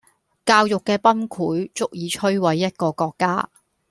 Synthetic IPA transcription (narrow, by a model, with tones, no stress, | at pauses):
kaː˧wjʊ˨kːɛː˧pɐ˥nkʰuː˨˥jt͡sʊ˥k̚jiː˨˧t͡ʃʰɵ˥ɥwɐ˨˥jːɐ˥t̚kɔː˧kɔː˧kːaː˥